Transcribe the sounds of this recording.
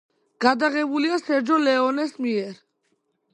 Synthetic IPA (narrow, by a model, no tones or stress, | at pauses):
ɡ̥ad̪aɣɛbuliasɛɾd͡ʒɔlɛɔnɛsmiɛɾ